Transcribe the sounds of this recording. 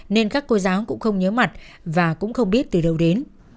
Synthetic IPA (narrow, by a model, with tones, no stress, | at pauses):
ne˧nkaː˦˥kːo˧zaː˨˦wkʊ̰˧˥ŋ͡mxə˧wŋ͡mɲəː˨˦ma˨˩t̚ | vaː˨˩kʊ̰˧˥ŋ͡mxə˧wŋ͡mɓi˦˥ət̚t̪ɨ˨˩ɗə˨˩wɗe˨˦n